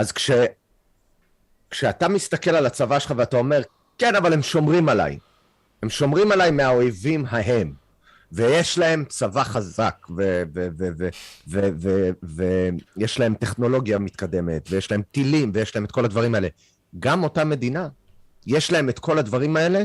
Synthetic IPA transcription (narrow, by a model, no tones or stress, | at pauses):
azkʃe | kʃeatamist̪ake̞lalat͡savaʃelχaveat̪ao̞me̞ʁ | ke̞navalhemʃo̞mʁimala̰j | he̞mʃo̞mʁimalajmeaojvimɦaɦe̞m | vejeʃlae̞mt͡savaχazakvevevevevevevejeʃlae̞mt̪e̞χno̞lo̞ɡjamit̪kade̞me̞̰t̪vejeʃlae̞mtilimvejeʃlahemet̚ko̞lad̪vaʁimaele̞ | ɡamo̞tame̞d̪ina | jeʃlae̞met̪kʰo̞lad̪vaʁimae̞le̞